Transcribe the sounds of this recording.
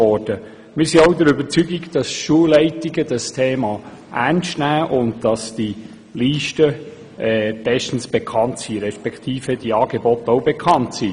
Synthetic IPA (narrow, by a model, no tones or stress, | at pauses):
ɔɾd̥ə | mɪːɾsiowdəɾybət͡syɡiɡd̥ɑsʃuəlɛɪtiɡədɑstʰeːmɑ | ʔæɾnstnæːʔʊndd̥ɑsd̥i | liːʃtə | ɛːb̥ɛʃtən̩sb̥ekʰɑntsiɾɛʃpɛktʰiːfəd̥iɑːɡ̥ebɔtowbekʰɑntsi